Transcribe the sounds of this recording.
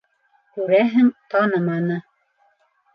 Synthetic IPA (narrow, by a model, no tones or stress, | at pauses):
kʉɾæɦɘŋt̪ɑnɤmɑnɤ